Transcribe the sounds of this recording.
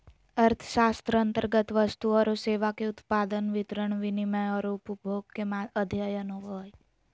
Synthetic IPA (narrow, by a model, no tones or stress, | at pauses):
əɾt̪ʰʃast̪ɾəənt̪əɾɡət̪ʋəst̪uəɾoseʋakeʊt̪pad̪ənʋɪt̪ɾəɳʋiniməjɔɾoupbʱoɡ̚kemaəd̪ʱjajənoʋɔj